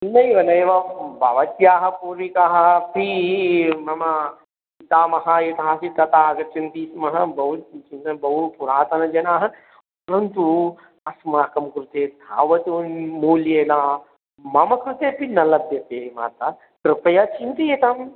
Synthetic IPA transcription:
nɐjʋɐnɐjʋɐbʱɐʋɐt̪jaːɦɐpuːɾikaːɦɐpʰi | mɐmɐ | it̪aːmɐɦɐjet̪aɦasit̪ɐt̪aːɦɐɡɐt͡ʃint̪iːsmɐɦɐbɐɦut̪t͡ʃint̪ɐbɐɦupuɾaːt̪ɐnɐd͡ʒɐnaːɦɐ | pɐɾɐnt̪u | ɐsmaːkɐmkɾut̪eːd̪ʱa̰ːʋɐt̪oːnmuːljeːlaː | mɐmɐkɾut̪eːpinɐlɐt̪jɐt̪eːɦima̰ːt̪aː | t̪ɾɨpɐjat͡ʃint̪ijet̪aːm

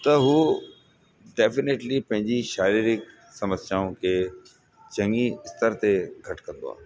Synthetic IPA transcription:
t̪ɐɦuː | ɖeːfɪneːʈlipɐ̃ɦɪ̃ɲd͡ʑiʃaːɾiːɾɪk | sɐməsaːũke | t͡ɕɐ̃ŋiɪst̪əɾt̪eɡʱɐʈkɐ̃nd̪o̰a̰ː

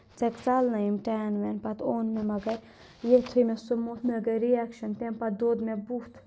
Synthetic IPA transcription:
t͡sekt͡salnɐimʈanʋenpɐt̪ʰoːnmemɐɡɐɾ | jet̪ʰujmesumut̪ʰmeɡɐɾiakʃɐnt̪ẽmpɐd̪oːd̪mebuht̪ʰ

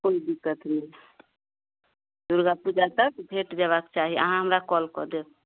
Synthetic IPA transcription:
koid̪ikːət̪nɛ | d̪̥uɾɡapud͡ʒat̪əkbʱeʈd͡ʒaβakt͡ʃaɦiə̰ɦãɦəmɾakɔlkɔd̪e

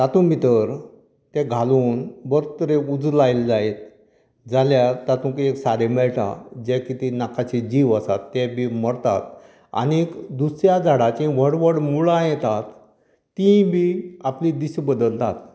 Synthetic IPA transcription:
t̪at̪ũbʱit̪əɾ | t̪ɛɡʱaluːnbəɾt̪əɾeud͡zlajld͡zaet̪̚ | d͡zaljat̪at̪ũkeksaɾemɛɭʈʰa̰d͡ʑɛkit̪inakʰat͡ɕid͡ʑiʋəsat̪ːɛbʱiməɾt̪a̰t̪ | a̰nikd̪usɾjad͡zaɽat͡ɕĩʋəɽʋəɽmuɭajɛt̪at̪ː | ĩbiaplid̪iɕbəd̪əlt̪at̪̚

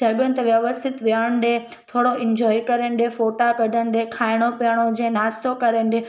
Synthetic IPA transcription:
əɡə̃nt̪ʋjəʋəst̪ʰɪt̪ʋjaːɽ̃ɖẽ | t̪ʰoːɽoɪ̃ɲd͡ʑɔːikɐɾəɳɖefoːʈakəd̪ʱənɖekʰaːɪɽ̃opjɽ̃od͡ʑẽnaːst̪okɐɾəɳɖe

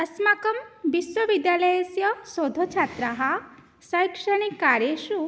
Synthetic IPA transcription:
ɐsmakɐmbiswɐʋid̪jaːlɐjesjɐsod̪ʱot͡ʃʰat̪ɾaɦɐ | sɐjkʂɐɽ̃ikːaɾjeʃu

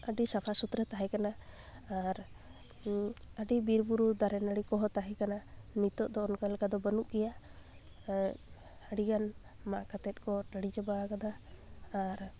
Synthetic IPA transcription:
əɖisapʰasut̪ɾɛt̪aɦɛkanaː | ɾ | əɖibiɾbuɾud̪aɾɛnəɽikɔɦɔt̪aɦɛkananit̪ɔʔd̪ɔːnkalɛkad̪ɔbənuʔɡɛja | əɖiɡan | makat̪ɛt̪̚ˀkɔʈəɽid͡ʒabakad̪aː | ɾ

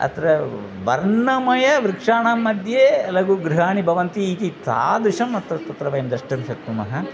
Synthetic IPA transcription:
ɐ̰t̪ɾɐ | ʋɐɾɳɐmɐjɐʋɾikʂaːɳaːmːɐd̪ʱjeːɐlɐɡuɡɾiɦaːɳibʱɐʋɐnt̪iːt̪it̪a̰ːd̪uʂɐmɐt̪ɾɐt̪ɐt̪ɾɐʋɐjɐmd̪ɾɐʂʈɐmʃɐk̚t̪umɐ̰ɦɐ

